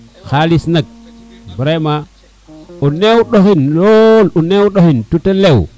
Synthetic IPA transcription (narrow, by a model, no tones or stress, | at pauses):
xalisnak̚ | bɾema | onewɗoxinlolonewɗoxintutelew